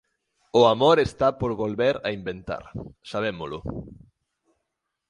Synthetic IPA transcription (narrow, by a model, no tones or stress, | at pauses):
ʊamoɾest̪apoɾβolβeɾaimbent̪a̰ɾsaβ̞emʊlʊ̰